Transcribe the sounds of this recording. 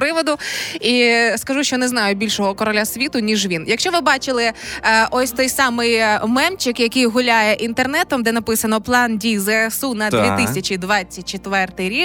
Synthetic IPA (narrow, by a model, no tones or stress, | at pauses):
pɾɪʋɔd̪ʊiskɐʒuʃt͡ʃɔneznɑjʊbʲilʲʃɔɦɔkɔɾɔlʲasʲʋʲit̪ʊnʲiʒʋʲinjɐkʃt͡ʃɔʋɪbɑt͡ʃɪlˠɪʔɔsʲt̪ɔjsɑmɪjmɛmt͡ʃɪkjɐkɨjɦʊlʲajɛʔint̪ernɛt̪ɔmd̪ɛnɐpɪsɐnɔplˠɑndʲizɛɛsunɐd̪ʋʲit̪ɪsʲɐt͡ʃid̪ʋɑt͡sʲːɐt̚ʲt͡ʃet̪ʋɛrt̪ɪjɾʲik